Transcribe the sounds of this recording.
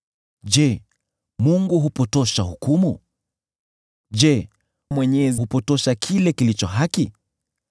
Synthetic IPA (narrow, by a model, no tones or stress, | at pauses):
d͡ʒɛ | muŋɡuɦupɔtɔʃahukumu | d͡ʒɛ | mwɛɲɛzihupɔtɔʃakʰilɛkilit͡ʃɔɦaki